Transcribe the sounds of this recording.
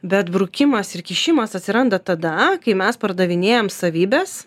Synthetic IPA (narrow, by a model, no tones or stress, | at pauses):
bʲɛt̪bɾʊkʲɪmɐsɪɾkʲiʃʲɪmɐsɐt̪ʲsʲɪɾɐnd̪ɐt̪ɐd̪ɐkɐɪmʲɛspɐɾd̪ɐʋʲɪnʲeːjɛmsɐʋʲiːbʲɛːs